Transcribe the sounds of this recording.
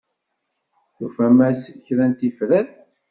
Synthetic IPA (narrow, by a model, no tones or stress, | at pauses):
θufæmæsçɾænt̪ifɾæθ